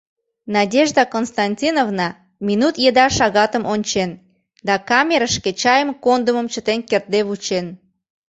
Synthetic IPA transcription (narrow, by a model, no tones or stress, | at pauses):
nɑdʲeʒd̪əkonst̪ɑnʲtʲinovnɑ | mʲinut̪jed̪ɑʃɑɣɑt̪əmonʲt͡ɕen | d̪ɑkɑmʲeɾəʃket͡ɕɑjəmkond̪uməmt͡ɕət̪enkert̪̚d̪eβut͡ɕen